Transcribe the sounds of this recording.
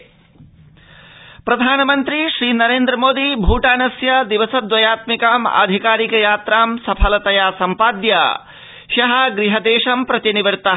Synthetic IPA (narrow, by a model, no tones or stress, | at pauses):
pɾɐd̪ʱaːnɐmɐnt̪ɾiʃɾiːnɐɾeːnd̪ɾɐmoːd̪ibʱuːʈaːnɐsjɐd̪iʋɐsɐd̪ʋɐjaːt̪mikaːma̰ːd̪ʱikaːɾikɐjaːt̪ɾaːmsɐpʰɐlɐt̪ɐjaːsɐmpaːd̪jɐ | ʃɐɦɐ̆ɡɾiɦɐd̪eːʂɐmpɾɐt̪iniʋɐɾt̪ɐ